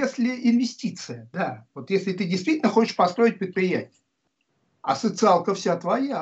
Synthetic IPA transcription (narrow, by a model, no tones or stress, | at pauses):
esʲlʲɪɪnvʲɪsʲtʲit̪sɨjəd̪avo̞t̪jesʲlʲɪt̪ɨdʲɪjst̪vʲitʲlʲnəxo̞t͡ɕɪ̥ʂpɐst̪ɾo̞ɪt̚ʲpɾʲɪt̪̚pɾʲɪjætʲɪjə | ɐsət̪sɨalˠkəfsʲat̪vɐja